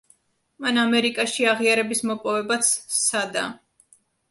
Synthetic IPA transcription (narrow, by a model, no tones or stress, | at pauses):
manamɛɾikʼaʃiaʁiaɾɛbismɔpʼɔvɛbat̪sʰsad̪a̰